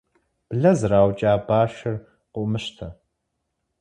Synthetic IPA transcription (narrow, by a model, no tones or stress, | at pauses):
b̥ɮɐzɨraːwt͡ʃʼaːbaːʃɐr | qʷʊʔmɨɕtʰɐ